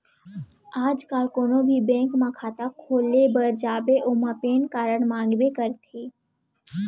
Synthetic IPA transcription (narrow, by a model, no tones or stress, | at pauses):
aːd͡ʒkaːlkonobʱibɛ̃ŋkmãkʰaːt̪akʰoːlebəɾd͡ʒaːbeʔomapeːnkaːɾəɳmãːŋɡbekəɾt̪ʰeː